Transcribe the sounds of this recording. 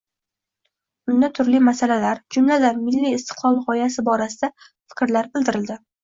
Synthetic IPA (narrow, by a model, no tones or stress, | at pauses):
ʊnd̪at̪ʰʊɾlimasalalaɾd͡ʒʊmlad̪aɾmɪlːiːst̪ʰɪ̥qlˠɒlˠʁɒjasɪbɒɾasɪd̪a | fɪ̥kʲɾlaɾbɪld̪ɪɾɪld̪ɪ